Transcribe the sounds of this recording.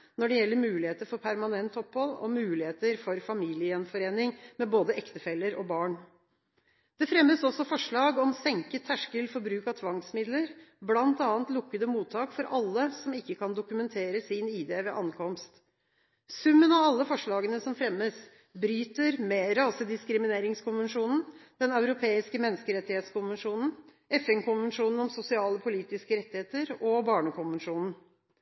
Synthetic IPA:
nɔɖɛjɛlːəɾmʉːlɪheːt̪əɾfɔɾpʰæɾmɑnɛnt̪ʰɔphɔlɔ̰mʉːlɪheːt̪əɾfɔɾfɑmiːlɪəənfɔɾeːnɪŋmɛboːd̪əʔɛkt̪əfɛlːəɾɔbɑːɳ | d̪̥ɛfɾɛmːəsɔsːɔfɔʂɭɑːɡɔmsɛŋkət̪ʰːæʂkəlfɔɾbɾʉːkɑt̪ʰʋɑŋsmɪd̪ləɾblɑnt̪ɑːnt̪lʊkːəd̪əmuːt̪ʰːɑːkfɔɾʔɑlːəsɔmɪkːəkʰɑnd̪ʊkʉmɛnt̪ʰeːɾəsɪniːd̪eːʋɛʔɑnkʰɔmst̪ | sʉmːənɑʋɑlːəfɔʂɭɑːɡənəsɔmfɾɛmːəs | bɾyːt̪əɾmɛɾɑːsəd̪ɪskɾɪmɪneːɾɪŋskʰʊnʋənʂuːnn̩d̪̥ɛnɑʉɾʊpʰeːɪskəmɛnːəskəɾɛt̪ːɪheːt̪skʊnʋənʂuːnn̩ | ɛfɛnkʊnʋənʂuːnn̩ɔmsʊsɪɑːləpʰʊliːt̪ɪskəɾɛt̪ːɪheːt̪əɾɔbɑːɳəkʊnʋənʂuːnn̩

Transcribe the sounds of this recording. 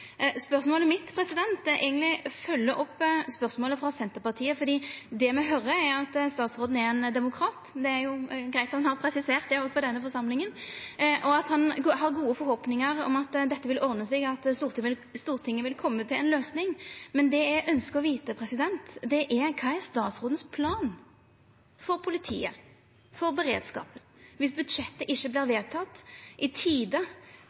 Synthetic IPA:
spœɾsmoːləmɪt̪pʰɾɛsɪd̪ɛnt̪ʔæ̰ɪɡənt̪lɪfœlːəʔɔpːspœɾsmoːləfɾɑsɛnt̪əɾpɑʁt̪ʰiːəfɔɾd̪iːd̪ɛmɛɦœɾəæɑt̪st̪ɑːt̪sɾoːd̪n̩ɛɾɛnd̪ɛmʊkʰɾɑːt̪d̪ɛæjʊɡɾæɪt̪ɑt̪ɑnhɑɾpʰɾɛsɪseːʁt̪̚d̪ɛɔpʰɔd̪ɛnːəfɔɾʂɑmlɪŋənʔɔɑt̪hɑnɦɑɾɡuːəfɔɾhoːpnɪŋəɾɔ̰mɑt̪d̪ɛt̪ːəʋɪlɔɾnəsɛɡɑt̪st̪uːɾt̪ɪʋɪlst̪uːʁt̪ʰɪŋːəʋɪlkʰɔmːət̪ʰɪlɛnløːsnɪŋmɛnd̪ɛæʔœnskəʁɔʋiːt̪əpʰɾɛsɪd̪ɛnt̪d̪ɛʔækʰɑɪɛst̪ɑːt̪sʁʊːd̪ən̩spʰlɑːn | fɔɾpʰʊlɪt̪ʰḭːə̰ | fɔɾbəɾḛːd̪skɑ̰ːpənʋɪsbʉd̪ʂɛt̪ːəʔɪçːəbliːɾʋeːt̪ʰɑt̪ːʔɪt̪ʰiːd̪ə

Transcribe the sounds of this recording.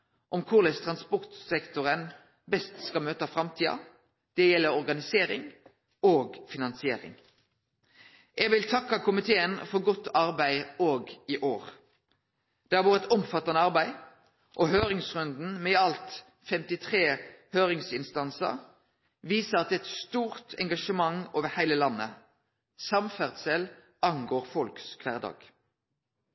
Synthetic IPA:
ʔɔmkʰʊʁlɛst̪ʰʁɑnspɔʁt̪sɛkt̪ʊʁən | bɛst̪skɑlmøːt̪ɑfʁɑmt̪ʰiːɑ̰ | d̪̥ɛjɛlːəɾɔʁɡɑnɪseːɾɪ̰ŋ | oːɡfɪnɑnsɪeːɾɪ̰ŋ | ʔɛːɡʋɪlt̪ʰɑkːɑkʰʊmɪt̪ʰeːənfɔɾɡɔt̪ːɑʁbæɪoːɡiʔoːʁ | d̪̥ɛːhɑɾʋoːʁət̪ɔmfɑt̪ːɑnəɑʁbæɪ | ʔɔɦøːʁɪŋsʁʉnd̪n̩mɛɑlt̪ | fɛmt̪ɪt̪ʰʁeːhøːʁɪŋsɪnst̪ɑnsə̰ʁ | ʋiːsəɑt̪̚ɛːɛt̪st̪uːʁt̪ʰɛŋɡɑʂəmɑŋoːʋəhæɪləlɑnːə̰ | sɑmfæʁd̪səl | ʔɑŋɡoːʁfɔlkskʰʋæːʁd̪ɑ̰ːɡ̥

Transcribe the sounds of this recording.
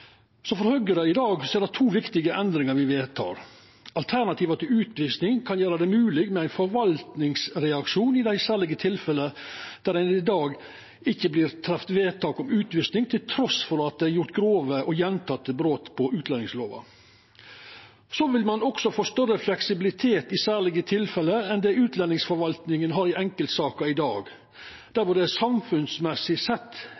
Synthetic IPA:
sɔfɔɾhœɡəɾəɪd̪ɑːɡseːɖ̪ɛt̪ʰuːʋɪkt̪ɪɡəʔɛnd̪ɾɪŋəɾʋɪʋeːt̪ʰɑ̰ːɾ | ɑlt̪ʰæɳɑt̪ʰiːʋɑt̪ʰɪlʉːt̪ʋisnɪŋkʰɑnjøːɾɑd̪ɛmʉːlɪɡmɛæɪnfɔɾʋɑlt̪nɪŋsɾɛɑkʃuːnɪd̪æɪsæːɭɪɡət̪ʰɪlfɛləd̪̥æɾæɪnɪd̪ɑːɡ | ɪçːəblɪɾt̪ʰɾɛft̪ʋeːt̪ʰɑːkɔmʉːt̪ʋʏsnɪŋt̪ʰɪlt̪ʰɾɔsfɔɾɑt̪̚d̪ɛɪæɾjʊɾt̪ɡɾoːʋəʔɔjɛnt̪ʰɑt̪ːəbɾoːt̪pʰɔʔʉːt̪lɛnɪŋsloːʋɑ̰ | soʋɪlmɑnɔksɔfɔːst̪œrəflɛksɪbɪlɪt̪ʰeːt̪ɪsæːɭɪɡət̪ʰɪlfɛləɛnd̪ɛːʉːt̪ʰlɛnːɪŋsfɔɾʋɑlt̪nɪŋənɦɑɾɪɛŋkəlt̪sɑːkɑɪd̪ɑːɡ | d̪̥æɾfɔd̪ɛsɑmfʉnsmɛsɪsɛt̪ː

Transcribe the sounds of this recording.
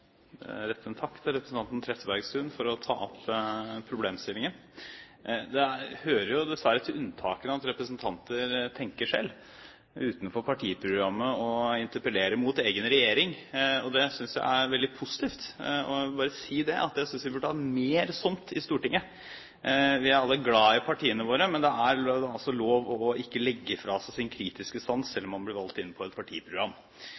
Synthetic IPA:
ɛɾɛt̪ʰːənt̪ʰɑkːt̪ʰɪlɾɛpɾəsn̩ɑnt̪ənt̪ʰɾɛt̪ːəbæɾɡsʉnfɔɾɔt̪ʰɑ̰ːɔppʰɾʊbleːmst̪ɪlːɪŋən | d̪ɛhøːɾəɾjʊd̪ɛsʋæɾət̪ʰɪlʉnt̪ʰɑ̰ːkənəɑt̪ɾɛpɾəsnt̪ʰɑnt̪əɾt̪ʰɛŋkəʂɛ̰lː | ʉːt̪nfɔɾpʰɑʈʰiːpʰɾʊɡɾɑmːəɔɪnt̪əɾpəleːɾəmʊt̪eːɡənɾɛjeːɾɪŋɔd̪ɛsʏnsjæ̰ɪʔæɾʋɛld̪ɪpʰʊsɪ̥t̪ʰiːft̪ɔbɑːɾəsiːd̪ɛʔɑ̰t̪jæɪsʏnsʋɪbʉʈːəɑːɾəmeːɾsʊnt̪ɪst̪uːʈɪŋːə | ʋɪæɾɑlːəɡlɑːɪpʰɑʈʰiːənəʋoːɾəmɛnd̪ɛæɾɑlsɔloːʋɔɪkːəlɛɡːəfɾɑsæsɪnkʰɾiːt̪ɪskəsɑnsːɛlːɔmhɑnblɪɾʋɑlt̪ɪnːpʰɔɛt̪̚pʰɑʈʰḭːəpʰɾʊɡɾɑmː

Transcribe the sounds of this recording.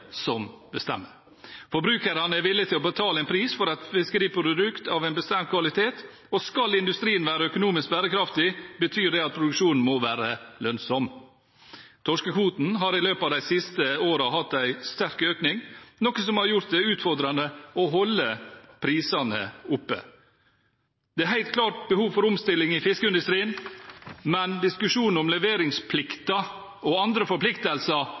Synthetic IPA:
sɔmbəst̪ɛ̰mːəɾ | fɔɾbɾʉːkəɾɑnəæɾʋɪlːɪt̪ʰɪlɔbət̪ʰɑːləæɪnpʰɾiːsfɔɾɑt̪fɪskəɾiːpɾʊɾəd̪ʉkt̪ɑʋæɪnbəst̪ɛmt̪̚kʰʋɑlɪt̪ʰeːt̪ | ɔskɑlɪnd̪ʉst̪ɾiːənʋæːɾəœkʊnuːmɪsk̚bæːɾəkʰɾɑft̪ɪbət̪ʰyːɖ̪ɛɑt̪̚pʰɾʊd̪ʉkʂuːnn̩mɔʋæːɾəlœnsɔm | t̪ʰɔʂkəkʰuːt̪n̩ɦɑɾɪløːpɑːʋd̪æɪsɪst̪əoːɾɑɦɑt̪ːæɪst̪æɾkøːknɪŋnɔkəsɔmhɑɾjʊɾt̪̚d̪ɛʉːt̪fɔɾd̪ɾɑnəɔɦɔlːəpʰɾiːsɑnə̰ʊpːə̰ | d̪̥ɛæɾɦæɪt̪̚kʰlɑːʈ̚bəhuːʋfɔɾʊmst̪ɪlːɪŋɪfɪskəɪnd̪ʉst̪ɾiːən | mɛnd̪ɪskʉʂuːnn̩ɔmlɛʋeːɾɪŋspʰlɪkt̪ɑ | ɔɑnd̪ɾəfɔɾpʰlɪkt̪əlsɑ

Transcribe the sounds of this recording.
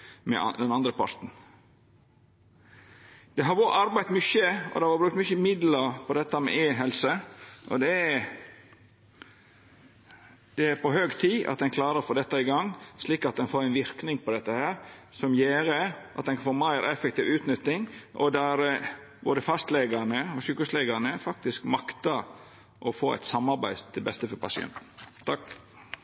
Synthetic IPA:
mɛ̰d̪ɛnɑnd̪ɾəpʰɑ̰ɾt̪n̩ | d̪̥ɛɦɑɾʋoːɾɑɾbæɪt̪mʏçəɔ̰d̪ɛhɑɾʋɑːbɾʉkt̪mʏçəmɪd̪ləɾpʰɔd̪ɛt̪ːəmɛ̰ʔeːɦɛlsəʔɔ̰d̪ɛ | d̪̥ɛæɾpɔɦøːɡt̪ʰiːʔɑ̰t̪d̪ɛnkʰlɑːɾəɾfɔd̪ɛt̪ːɑɪɡɑŋːsliːkɑt̪̚d̪ɛnfoːɾæɪnʋɪɾknɪŋpɔd̪ɛt̪ːəhæːɾsɔmjeːɾəʔɑ̰t̪̚d̪ɛnfoːɾmæɪɾɛfɛkt̪iːʋʉːt̪nʏt̪ːɪŋʔɔ̰d̪æɾ | boːd̪əfɑst̪lɛɡɑnəɔʃyːkəslɛɡəɾnəfɑk̚t̪ɪskmɑkt̪əɾ | ʔɔfoːæ̰ɪt̪sɑmːɑɾbæɪd̪ɛbɛst̪əfɔɾpɑsɪɛ̰nt̪n̩ʰɑk

